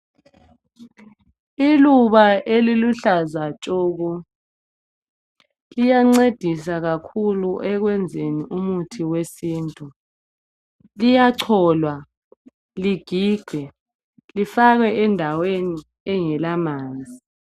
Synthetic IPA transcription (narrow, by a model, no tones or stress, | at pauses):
iluβaeliluɬazat͡ʃʼoːɣu | lijaŋ͡ǀed̥ʱisaɣakʰuluʔɛɣwɛnd͡zʱeniʔumutʰiwesiːntʼu | lijaǀʰɔːlwa | liɡ̥ʱiːɡ̥ʱɛ | lifaɣɛʔɛndʱaweni | ɛŋɛlamaːnd͡zʱi